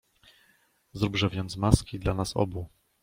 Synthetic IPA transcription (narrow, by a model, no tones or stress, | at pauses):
zɾubʐɛvʲjɛnt̪smaskʲid̪lanasɔ̰bu